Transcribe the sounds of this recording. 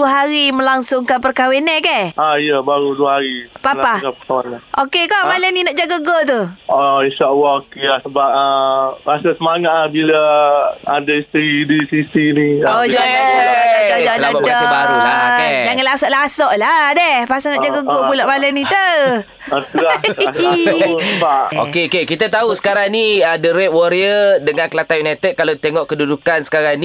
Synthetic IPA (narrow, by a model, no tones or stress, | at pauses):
duəɦaɾimə̃laŋsʊŋkanpərkawenɛkɛʔaijəbaɾuduəɦaɾipalapakapərk̪awanlaʔokekɔʔmalɛninaʔd͡ʒaɡəɡot̪̬uoinʃaʔalaokelahsəbap̚əɾasasəmaŋat̪̚lahbila | a̰daist̪əɾidisisiniod͡ʒa | dadsəlamadɔa | d͡ʒaŋalasɔʔlasɔʔladɛhpasaŋad͡ʒaɡəɡopuloʔmalənit̪ə | at̪ulaabaʔo̰kkeokekit̪at̪ausə̥kaɾaŋniədəɾɛʔ̚wɔɾiədəŋãnkəlat̪ajunajt̪əd̪̚kalat̪eŋɔʔkədudukansə̥kaɾaŋni